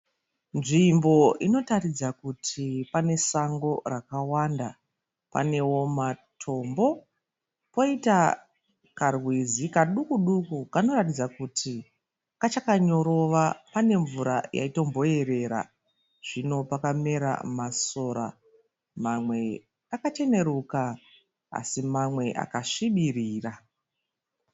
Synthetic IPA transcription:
nʐimbo̞ino̞tarid͡zakutʰipane̞saŋɡo̞rakawanda | pa̰ne̞wo̞matʰo̞mbo̞ | po̞ita | karwizikaɗukuɗukukano̞ratid͡zakutʰi | kat͡ʃakaɲo̞ɾo̞ʋapane̞ɱvuɾa̰ja̰ito̞mbo̞e̞ɾe̞ːɾa̰ | ʐ̥ino̞pakame̞ɾa̰maso̞ːɾa̰ | mamwe̞ | akat͡ʃe̞ne̞ɾuka | a̰simamwe̞ʔa̰kaʂiɓiriːra

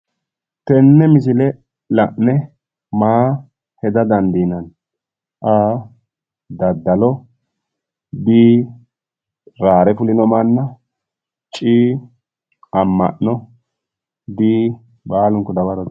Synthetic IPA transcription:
t̪ɛnːɛmɪs̬ɪlɛ | lɐʔnɛ | maː | hɛd̪ɐd̪ɐnd̪iːnɐn | ʔaː | d̪ɐd̪ːɐlɔ | biː | ɾaːɾɛfʊlɪnɔmanːɐ | t͡ʃʼiː | ɐmːɐ̰ʔnɔ | biː | baːlʊŋkɔd̪ɐbɐɾɔ

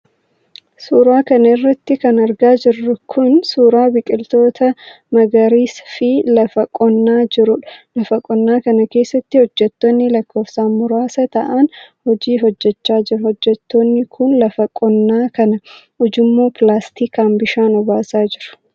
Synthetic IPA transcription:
suːɾaːkɐnɐɪrːɐt̪ːɪkɐnɐɾɡaːd͡ʒɪrːʊkʰʊnsuːɾaːbɪkʼɪlt̪o̞ːt̪ɐ | mɐɡɐɾiːsfɪlɐfɐkʼɔnːaːd͡ʒɪɾʊᶑɐlɐfɐkʼɔnːaːkɐnɐke̞ːsːɐt̪ːɪhɔd͡ʒːɛt̪ːɔnːɪlɐkːo̞ːfsaːnmʊɾaːsɐt̪ɐʔɐnhɔd͡ʒiːɦɔd͡ʒːɛt͡ʃːaːd͡ʒɪɾɐhɔd͡ʒːɛt̪ːonːɪkʰʊnlɐfɐkʼɔnːaːkɐnɐ | ʊd͡ʒɪmːoːplaːst̪iːkaːmbɪʃaːnɔbaːsaːd͡ʒɪɾʊ̥

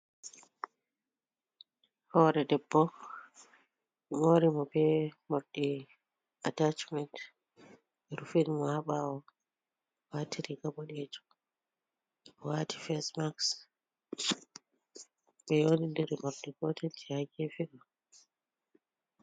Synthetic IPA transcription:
hɔɾɛdɛbːɔ | moɾimɔbɛmoɾɗi | atat͡ʃmɛnt | ɛɾufinmɔhaɓawɔ | watiɾiɡabɔɗɛd͡ʒɔ̥ | wati̥fɛsmaks | ɓɛjonindiɾimoɾɗiɡɔtʰɛltʰɛhaɡɛfiɡɔ

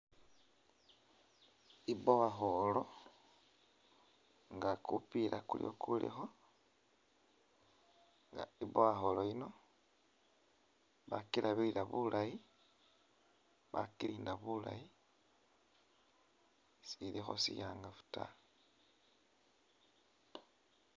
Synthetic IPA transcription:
iboβaxolo̞ | ŋɡakupiɾʔakulḭo̰kʰulḭxo̞ | ŋɡaiboβaxoloino̞ | βakilʔaβiiɾaβulʔaji | βakiliːndaβula̰ji | silixo̰sijaːŋɡafu̥ta̰

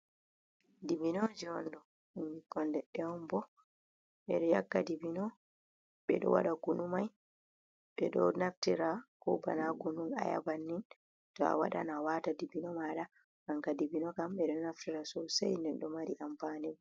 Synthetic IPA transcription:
dibinɔd͡ʒɛɔndɔ | imbikɔndɛɗɛɔmbɔ | ɓɛɗɔjakːadibinɔ | ɓɛ̰ɗɔ̰wa̰ɗakunumaj | ɓɛɗɔ̰naftiɾakɔba̰naɡunuma̰ja̰banːin | tɔa̰wa̰ɗa̰nawatadibinɔmaɗa | aŋkadibinɔkamɓɛɗɔnaftiɾasɔsajnɛnɗɔmaɾiʔampaːnɛmɔ

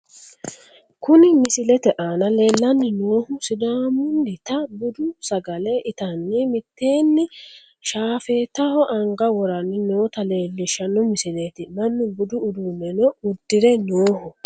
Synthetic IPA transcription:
kʊnɪmɪsɪlɛt̪ɛʔaːnɐle̞ːlːɐnːɪnoːhʊsɪd̪aːmʊndɪt̪ɐbʊd̪ʊsɐɡɐlɛʔɪt̪ɐnːɪmɪt̪ːe̞ːnːɪ | ʃaːfe̞ːt̪ːɐhɔʔɐŋɡɐwɔɾɐnːɪnoːt̪ɐle̞ːlːɪʃɐnːɔmɪsɪleːt̪ɪnɐnːɪbʊd̪ʊːd̪unːɛnɔʊd̪ːɪɾɛnoːhʊ

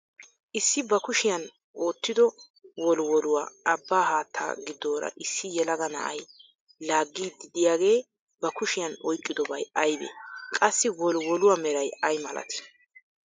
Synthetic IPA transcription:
ʔɪsːɪbɐkʊʃɪjɐn | ʔo̞ːt̪ːɪd̪ɔ | wɔlwɔlʊwa̰ʔɐbːaːhaːt̪ʰːa̰ːɡɪd̪ːo̞ːɾɐ̰ʔɪsːɪjɛlɐɡɐnɐ̰ʔɐj | laːɡːiːd̪ːɪd̪ɪjaːɡe̞ː | bɐkʊʃɪjɐnɔjkʼːɪd̪ɔbɐjɐjbḛkʼɐsːɪwɔlwɔlʊwamɛɾɐjɐjmɐlɐ̰t̪ɪ̥

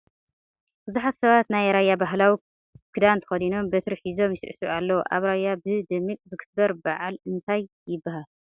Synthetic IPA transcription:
bɨzuħat̪sɐβat̪najɾajːabaɦlawi | kʰɨd̪ant̪ʰɐ̥xɐd̪ino̞mbɐt̪ʰɨɾħizo̞mjisɨ̰ʕsuʔalːɐwʔa̰βɾajːabɨd̪ɨmːikʼzɨɡɨbɐɾbaʕalɨnt̪ʰajːɪbːaɦal

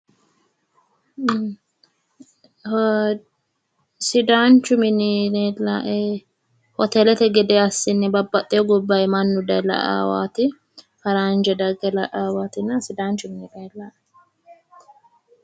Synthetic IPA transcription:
sɪd̪aːnt͡ʃːʊmɪnɪnɛlaʔ | hɔt̪ɛlɛt̪ɛɡɛd̪ɛɐsːɪnːɛbɐbːɐt̪ʼːɪjɔɡɔbːɐjmɐnːʊd̪ɐlɐ̰ʔa̰ːwa̰ːt̪ɪ | fɐɾand͡ʒɛd̪ɐɡɛlɐʔaːwaːt̪ɪnːɐsɪd̪aːnt͡ʃːʊmɪnɪᶑɐlɐ̥

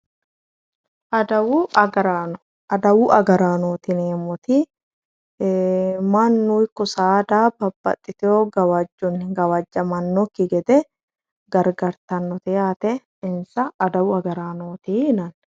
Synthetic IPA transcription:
ʔɐd̪ɐwuɐɡɐɾa | ɐd̪ɐwʊʔɐɡɐɾaːnoːt̪ɪneːmɔt̪i | mɐnːuːɪkːɔsaːd̪aːbɐbːɐ̰t̪ʼːɪt̪ɛoɡɐwɐd͡ʒːʊnːɪɡɐwɐd͡ʒːɐmɐnːɔkːɪɡɛd̪ɛ | ɡ̥ɐɾɡɐɾt̪ɐnːɔt̪ɛjaːt̪ɛ | ɪnsɐʔːd̪ɐwʊɐɡɐɾaːnoːt̪iɪnɐn

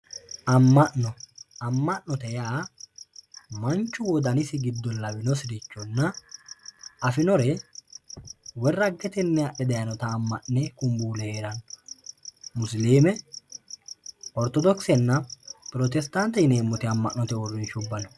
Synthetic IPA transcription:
ɐmːɐʔnɔɐmːɐʔnɔt̪ɛjaː | mɐnt͡ʃːʊwɔd̪ɐnɪsɪɡɪd̪ːɔlɐbɪnɔsɪɾɪt͡ʃːɔnːɐ | ɐfɪnɔɾɛ | wɛrːɐɡːɛt̪ɛnːɛɐʔɛd̪ɐjɐnɔt̪ɐːmːɐʔnɛkʊmbuːlɛheːɾɐnɔ | mʊsleːmɛ | ɔɾt̪ɔd̪ɔksɛnːɐpɪɾɔt̪ɛst̪ɐnt̪ːɛɪneːmːʊt̪ɪɐmːɐʔnɔt̪ɛwɔrːɪnʃʊbːɐnɔ

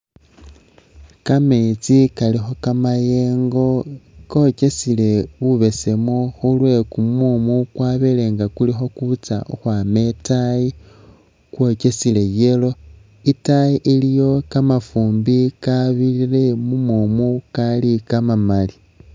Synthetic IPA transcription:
kamet͡sikalixo̞kamaje̞ːŋɡo̞ko̞ce̞sile̞βuβe̞se̞moxulwe̞kumumukwaβele̞ŋɡakulixo̞kut͡sa̰uxwame̞taji | kwo̞ce̞sile̞je̞lo̞ | itajiʔilijo̞kamafuːmbikaβilile̞mumumukalikamamali

